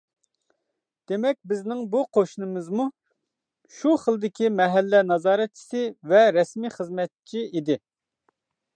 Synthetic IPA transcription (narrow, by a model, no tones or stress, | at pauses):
d̪̥emɛk̚ʲbɪznɪŋbuqʰoʃnɨmɨzmu | ʃuχəlˠd̪ɪkʲimɛɦɛlːɛnɑzɑːɾɛt̪̚t͡ʃʰi̥sɪvɛɾɛsmiχəzmɛt̪̚t͡ʃʰiid̪ɪ